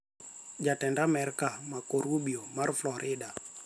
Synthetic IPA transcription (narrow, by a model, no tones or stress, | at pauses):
d͡ʒatɛndamɛɾkamakɔɾubiɔmarflɔɾʔɪda